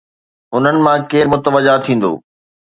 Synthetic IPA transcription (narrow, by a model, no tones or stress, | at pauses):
ʊn̤ənɪ̆mãkeːɾmʊt̪əʋəd͡ʑaːt̪ʰĩːn̆d̪o̰ː